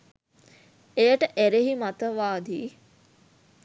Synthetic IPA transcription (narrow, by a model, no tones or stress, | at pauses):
ejəʈəʔæɾeɦimat̪əʋaːd̪iː